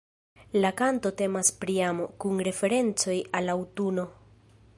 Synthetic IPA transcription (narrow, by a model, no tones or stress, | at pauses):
lakanto̞te̞maspɾiamo̞kunɾe̞fe̞ɾe̞nt͡so̞jalawtuno̞